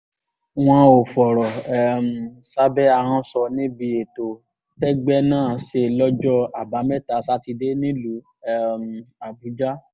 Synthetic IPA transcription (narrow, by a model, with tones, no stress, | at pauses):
w̃ɔ̃˧o˨fɔ˨ɾɔ˨ɛ˨m˨sa˦bɛ˦a˧ɦã˧sɔ˧nĩ˦bi˧e˨to˨ | tɛ˦ɡ͡bɛ˦nãː˦˨ʃe˧˨lɔ˦d͡ʒɔ˦a˨ba˨˦mɛ̃˦˨ta˨˦sa˦ti˧de˦nĩ˦lu˨˦ | ɛ˧m˨a˨bu˨˦d͡ʒa˦